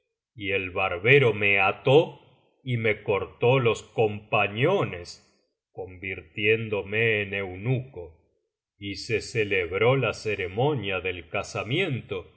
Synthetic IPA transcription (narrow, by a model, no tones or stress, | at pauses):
ielβaɾβeɾo̞meat̪o | ime̞ko̞ɾt̪olosko̞mpaɲones | ko̞mbiɾt̪jend̪omeːnewnuko | iseseleβɾo̞laseɾemo̞njaðelkasamje̞nt̪o̞